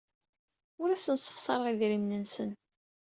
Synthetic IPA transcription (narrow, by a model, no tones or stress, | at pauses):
ʊɾæsənsə̥χsˤɑɾˤəʁiðɾimnənsən